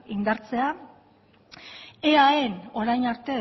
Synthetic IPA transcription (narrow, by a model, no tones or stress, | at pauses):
ind̪aɾt͡se̞a | eaeno̞ɾajnaɾt̪e̞